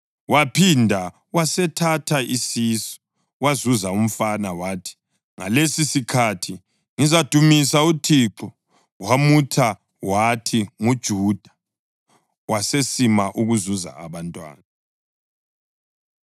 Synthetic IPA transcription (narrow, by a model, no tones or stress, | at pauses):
wapʰindʱa | wasɛtʰatʰaʔisisɔ̥ | wazuzaum̩fanawaːtʰi̥ | ŋa̰lesisikʰatʰi | ŋizad̥ʱumisautʰiǁɔ | wamutʰa | watʰiŋud̥ʒ̥ʱuːd̥ʱa | wasesimaʔuɣuzuza̰a̰βantʼwa̰ːna